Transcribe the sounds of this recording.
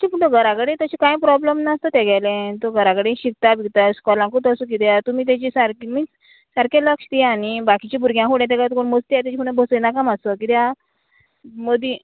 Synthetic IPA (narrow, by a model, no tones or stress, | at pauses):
t̪ipuɳt̪oɡʱəɾakəɽẽt̪ət͡ɕikãjpɾɔbləmnast̪ɔt̪ɛɡʱɛjlẽt̪oɡʱəɾaɡəɽẽɕik̚t̪abit̪askɔlãŋkuʈ̪əsuk̬it̪ɛat̪umiːt̪̬jat͡ɕisaɾkmi | saɾkẽləkʂt̪ianibakit͡ɕibʱuɾɡjãɦuɽ̃ɛ̃t̪̬ɛkat̪koɳməst̪iat̪jat͡ɕikuɽ̃ẽbʱəsjnakamasɔkit̪ɛa | məd̪i